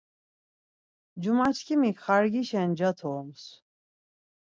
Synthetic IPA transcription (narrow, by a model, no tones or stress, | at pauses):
d͡ʒumat͡ʃʰkʰimikχaɾɡiʃɛnd͡ʒat̪ʰɔms